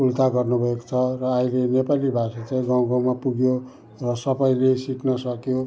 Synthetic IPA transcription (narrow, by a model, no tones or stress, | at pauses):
ult̪aɡʌrnubʱʌeko̥t͡sʰʌrʌːilenepalibʱasat͡saĩɡaw̃ɡãw̃mapuɡjo | rʌsʌbʌjlesiknʌsʌkjo